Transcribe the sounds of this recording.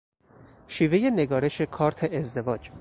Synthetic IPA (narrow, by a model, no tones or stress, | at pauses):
ʃiːve̞je̞ne̞ɡɒːɾe̞ʃe̞kʰɒːɾt̪ʰe̞ʔːzd̪e̞vɒːd͡ʒ